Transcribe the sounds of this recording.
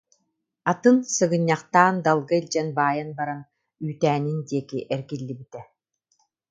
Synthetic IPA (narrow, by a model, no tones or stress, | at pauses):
at̪ɯnsɯɣɯɲːaqt̪aːnd̪alˠɡailʲd͡ʑɛnbaːjɯnbaɾan | yːt̪æːnind̪iɛkiʔɛɾɡilːibit̪ɛ